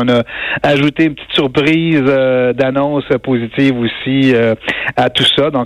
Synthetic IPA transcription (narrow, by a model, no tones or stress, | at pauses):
ɔ̃nʌaʒut̪eːnpə̥t̪i̥t̪syʁpʁiːzød̪anɔ̃səpozit̪iːvusiøat̪usʌd̪ɔ̃